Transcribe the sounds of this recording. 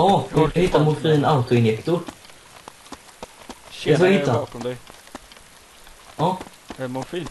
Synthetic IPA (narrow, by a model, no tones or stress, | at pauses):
ɑːhhɪt̪ːamʊfiːnaʊt̪ʊɪnjɛkt̪ʊ | ɛs̬ɔjahɪt̪ːa | ɑː